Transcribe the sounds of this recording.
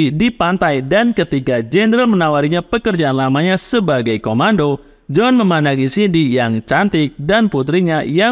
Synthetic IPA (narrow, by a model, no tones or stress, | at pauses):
dipant̪ajdankət̪iɡad͡ʒɛnɾalmənawaɾiɲapəkərd͡ʒaʔanlamaɲasəbaɡajkomando | d͡ʒɔnməmanakisidijaŋt͡ʃant̪ɪk̚danput̪ɾiɲaja